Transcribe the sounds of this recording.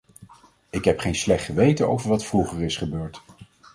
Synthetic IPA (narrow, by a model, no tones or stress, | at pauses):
ɪkɦɛpχejnslɛχtχəʋejtəno̰wvəɹʋɑtfruχəɹɪsχəbøːɹt